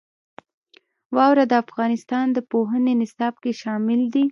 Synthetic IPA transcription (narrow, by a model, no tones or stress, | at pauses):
wɑwɾad̪əafɣɑnɪst̪ɑnd̪əpoɦənenɪsɑb̚keʃɑmɪld̪i